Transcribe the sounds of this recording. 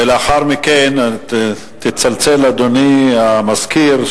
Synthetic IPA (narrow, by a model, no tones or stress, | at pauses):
eleaχaʁmiken | t̪it͡salt͡selad̪oniamazkiɾ